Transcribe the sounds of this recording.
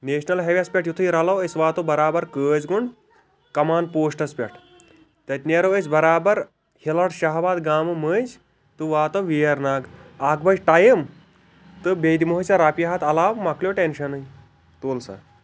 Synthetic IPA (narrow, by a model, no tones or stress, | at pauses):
neːʃnɐlɦeʋʲɐspʲeʈjut̪ʰuiɾɐlɐwesʋaːt̪obɐɾaːbɐɾkəːd͡zɡuɳɖ | kɐmaːnpoːsʈɐspʲeʈʰ | t̪ɐt̪ʲneɾowesbɐɾaːbɐɾ | hilɐɽʃɐɦbaːd̪ɡaːmɨməd͡ʒ | t̪ɨʋaːt̪ɐʋijɐɾnaːɡaːkbɐjʈaːjəm | t̪ɨbeːd̪imoɦɐt͡saɾaːpiɦaːt̪ɐlaːʋmakljoʈenʃɐnɐj | t̪oːlsa̰